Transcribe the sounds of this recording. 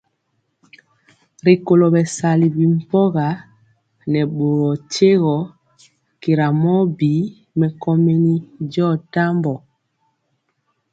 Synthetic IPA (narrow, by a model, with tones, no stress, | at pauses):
ɾi˨ko˨lɔ˨bɛ˨sa˨li˨bi˨m̩˨pɔ˦ɣa˨˦ | nɛ˨ɓo˨ɾɔ˨t͡ʃe˦ɣɔ˨˦ | ki˨ɾa˨mɔ˦bi˨˦ | mɛ˨kɔ˦me˦ni˦d͡ʒɔ˦˨ta˦mbɔ˨